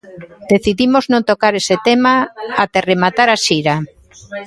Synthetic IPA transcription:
d̪̥eθiðimoznõnt̪okaɾeset̪emaat̪eremat̪aɾaʃiɾa

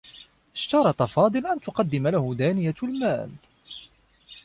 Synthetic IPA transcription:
ʔɪʃt̪ɑɾˤɑt̪ˤɑfɑːd̪ˤɨlʔant̪ʊqɑd̪ːɪmalahʊd̪aːnɪjalma̰ːl

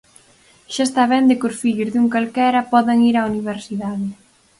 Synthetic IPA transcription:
ʃaest̪aβɛnd̪ɪkʊsfiʎʊzðuŋkalkɛɾɐpɔðeŋiɾauniβ̞eɾsiðaðɪ

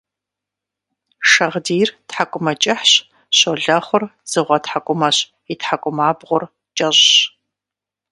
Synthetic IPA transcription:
ʂɐʁdiːrtħakʷʼʊmɐt͡ʃʼɪħɕ | ɕoɮɐχʷʊrz̥ɨʁʷɐtħakʷʼʊmɐɕ | itħakʷʼʊmaːbʁʷʊr | t͡ʃʼɐʑɕ

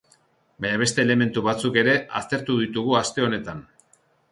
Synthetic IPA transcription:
baɲaβe̞st̪e̞ːle̞me̞nt̪uβat͡suke̞ɾe̞a̰st̪e̞ɾt̪uðit̪uɣuast̪e̞o̞ne̞t̪an

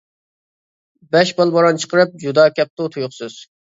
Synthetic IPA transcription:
bɛʃbɑlˠboɾɑnt͡ʃʰə̥qəɾɨp̚d͡ʒud̪ɑːkʲɛp̚t̪ut̪ʰujʊχsɨz̥

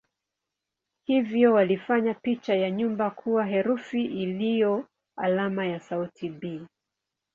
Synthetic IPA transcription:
hivjɔwalifaɲapit͡ʃajaɲumbakʰuwaɦɛɾufiʔilijɔ | a̰lamajasautibiː

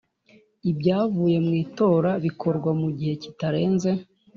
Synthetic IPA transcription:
ibɟaːvuːje̞mŋiːto̞ɾaβikʰo̞ɾɡwamuɟihe̞citaɾe̞ːnze̞

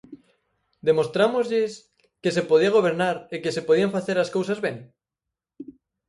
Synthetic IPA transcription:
d̪emo̞st̪ɾamozʎes | kesepoð̞iaɣ̞o̞β̞eɾnaɾekesepoð̞iaɱfaθeɾaskowsazβẽŋ

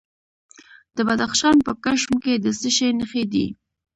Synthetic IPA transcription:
d̪̥əbad̪axʃɑnpəkaʃmked̪əsəʃenəxed̪ḭ

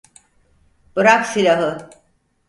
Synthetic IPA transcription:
b̥ɯɾaksilʲaɦɯ

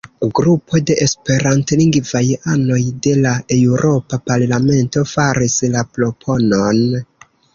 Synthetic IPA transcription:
ɡɾupʰo̞de̞ʔespe̞ɾantliŋɡvajano̞jde̞lae̞uɾo̞papaɾlame̞nto̞faɾislaplopʰo̞no̞n

